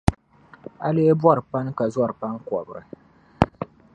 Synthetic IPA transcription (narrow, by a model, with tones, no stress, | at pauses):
a˦le˦bwɔ˦˨ɾɨ˨pa˦n˦ka˨zɔ˦˨ɾɨ˨pa˦ŋ˦kɔ˨bɨ˨ɾɨ˨